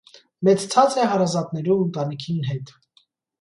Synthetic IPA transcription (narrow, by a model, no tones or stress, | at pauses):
mɛt͡st͡sʰɑt͡sɛɦɑɾɑzɑt̪nɛɾuənt̪ɑnikʰinɦɛt̪